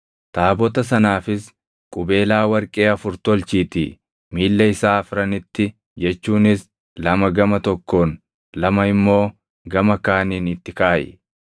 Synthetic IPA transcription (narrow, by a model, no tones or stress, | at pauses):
t̪aːbɔt̪ɐs̬ɐnaːfɪs | kʼʊbe̞ːlaːwɐɾkʼe̞ːɐfʊɾt̪ɔlt͡ʃiːt̪ɪ̰ | miːlːɐɪsaːɐfɾɐnɪt̪ːɪ | d͡ʒɛt͡ʃːuːnɪs | lɐmɐɡɐmɐt̪ɔkːo̞ːn | lɐmɐɪmːo̞ː | ɡɐmɐkaːniːnɪt̪ːɪkaːʔɪ̰